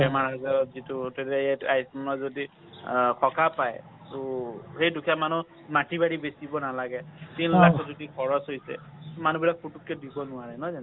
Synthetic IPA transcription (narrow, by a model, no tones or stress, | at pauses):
ɛmaɹɦazaɹɔtzitutedajatajsmanɔzodi | kʰɔkapaj | tuhejdukʰijamanu | matibaɹibesibɔnalaɡɛtinlakʰɔtzodikʰɔɹɔsɦojsɛ̰manubilak̚putukːɛdibɔnʊaɹɛnɔzan